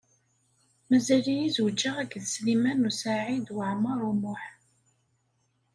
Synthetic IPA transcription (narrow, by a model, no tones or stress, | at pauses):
mæzælijizuwd͡ʒːaʁæɡðslimænusaʕid̪wəʕmərˤumʊħ